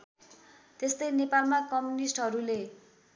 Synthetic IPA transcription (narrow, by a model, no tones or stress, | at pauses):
t̪est̪ʌjnepalmakʌmjunisʈɦʌɾule